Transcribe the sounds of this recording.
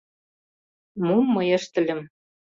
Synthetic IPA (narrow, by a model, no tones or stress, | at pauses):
mumːɤjĕʃt̪ɘ̆lʲɘ̆m